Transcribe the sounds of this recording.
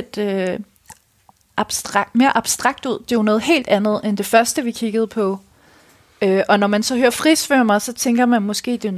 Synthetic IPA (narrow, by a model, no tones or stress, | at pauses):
d̥ø | ʔb̥ʁme̝ːɐʔɑ̈b̥sd̥ʁɑ̈ɡ̥̚d̥uð̞̰ˠd̥e̝anɔ̽ːð̞̩ˠhe̝̰ːld̥ænð̞̩ˠend̥e̝fɶɐsd̥əʋikʰiɡ̥əð̞̩ˠpʰɒ̽ | øʔɒ̽nɒmænsɒ̽høːɐfʁisʋøɐmɑ̈sɒ̽t͡sʰeŋɡ̥ɐmænmɒ̽sɡ̥e̝̰ːd̥e̝